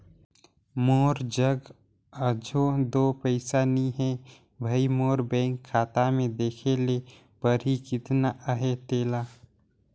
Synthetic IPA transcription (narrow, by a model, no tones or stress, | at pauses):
moːɾd͡ʒəɡ | əd͡ʒʱod̪oːpəɪsaniɦɛ̃ | bʱəimoːɾbɛ̃ːŋkʰːaːt̪amẽd̪eːkʰele | pəɾikɪt̪naʔəɦet̪eːlaː